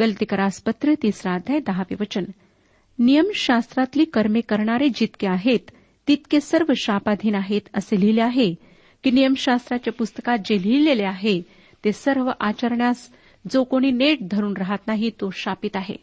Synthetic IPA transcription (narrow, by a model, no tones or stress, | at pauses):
ɡəlt̪ikəɾaspət̪ɾət̪iːsɾad̪ʱad̪əɦaʋḭʋət͡ɕən | nijəmɕast̪ɾat̪liːkəɾmekəɾɳaɾed͡ʑit̪keaɦet̪ː | it̪kesəɾʋəɕapad̪ʱiːnaɦet̪əselileaɦe | kinijəmɕast̪ɾat͡ɕjapust̪ə̥kat̪̚d͡ʑel̤ileleaɦe | t̪esəɾʋəʔat͡ɕəɾɳjas | d͡zokoɽ̃iːneʈ̚d̪ʱəɾuːnɾəɦat̪naɦit̪oɕapit̪aɦḛ